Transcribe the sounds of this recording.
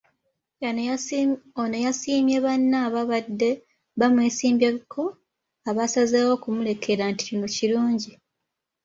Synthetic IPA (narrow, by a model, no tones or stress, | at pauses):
a | onojasiːmjeβanːaːβaβadːe̞ | βamweːsiːmbjekʰo̞ | aβasazeːwo̞ːkumule̞kʰe̞ɾanti̥cinociɾuːɲɟi